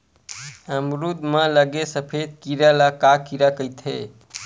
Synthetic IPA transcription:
əmɾud̪mələɡesəpʰed̪̚kiɾalakakiɾakəjt̪ʰɦe

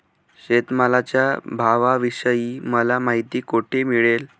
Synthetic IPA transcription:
ɕet̪məlat͡ɕjabʱaʋaʋiɕəjiːməlamaɦit̪iːkoʈʰemiɭel

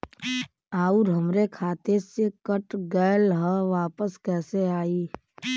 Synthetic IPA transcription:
aːʊɾɦəmɾekʰaːt̪esekəʈɡəːlɦəʋaːpəskɛːseaːiː

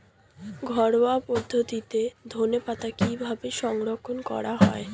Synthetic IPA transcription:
ɡʱɔɾoapod̪ʱːot̪it̪ed̪ʱonepat̪akibʱabeʃɔŋɾokʰːonkɔ̰ɾaɦɔe

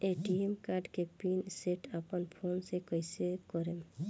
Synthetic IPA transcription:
eʈiemkaɾɖkepinseʈəpənpʰoːnsekəjsekɔɾe

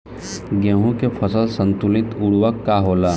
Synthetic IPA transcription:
ɡeːɦũkepʰɐsəlsə̃nt̪ʊlɪt̪ʊɽwəkːaɦoːlaː

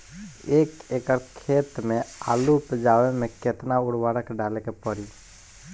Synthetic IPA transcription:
eːkekəɾkʰeːt̪mẽa̰ːlupd͡ʒaːwemẽket̪naʊɽwaːɾəkɖaːlekepəɽi

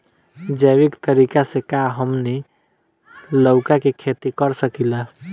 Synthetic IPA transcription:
d͡ʒəjʋikt̪əɾiːkasekaɦəmni | ləʊkakekʰet̪ikəɾsəkila

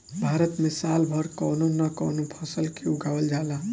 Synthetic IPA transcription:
bʱaːɾət̪misaːlbʱʌɾkɔnonəkɔnopʰəsəlkiuɡawəld͡ʒaːla

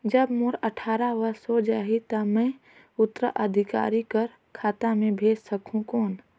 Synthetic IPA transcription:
d͡ʒəbmoːɾəʈʰaːɾaʋəɾsod͡ʒaːɦit̪ɐmɛ̃ | ʊt̪ːɾə̰ʔəd̪ʱɪka̰ːɾikəɾ | kʰaːt̪amẽbʱeːd͡ʒsəkʰũkoːn

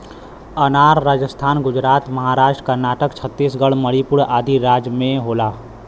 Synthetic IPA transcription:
ənaːɾːaːd͡ʒəst̪ʰaːnɡʊd͡ʒɾaːt̪məɦaːɾaːʃʈəkəɾnaːʈəkt͡ʃʰət̪ːiːsɡəɽməɽipʊɽaːd̪ʱiɾaːd͡ʒmẽɦoːlaː

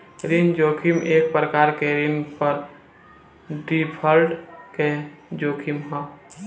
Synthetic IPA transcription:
ɾind͡ʒoːkʰimeːk̚pɾəkaːɾkeɾinpəɾ | ɖipʰəlʈked͡ʒoːkʰimɦɔ̃

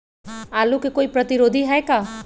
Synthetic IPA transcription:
aːlukekoːipɾɐt̪ɪɾoːd̪ʱiɦɛːkaː

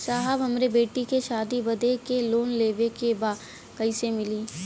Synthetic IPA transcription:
saːɦəbɦɐmɾebeːʈikeʃaːd̪ibɐd̪ekeloːnleːʋekebaːd̪ | kɐisemɪliː

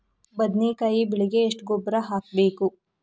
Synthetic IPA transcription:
bɐd̪neːkaːjibiɭiɡeːʂʈɡobɾaɦaːk̚beːku

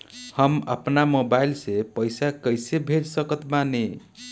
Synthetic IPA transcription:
həmə̰pnamobailsepəjsakəjsebʱed͡ʒsəkət̪mane

